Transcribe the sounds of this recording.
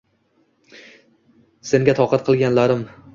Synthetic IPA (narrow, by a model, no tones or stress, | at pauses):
se̞ŋɡʲat̪ʰɒqʰɑt̪̚qʰɨlˠɡʲanlaɾɪm